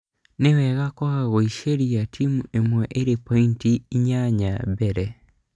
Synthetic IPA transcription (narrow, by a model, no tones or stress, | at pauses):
newɛɣakwɔɣaɣoiʃeɾiatʰimuemwɛʔeɾepɔintiiɲaɲa̰bɛɾɛ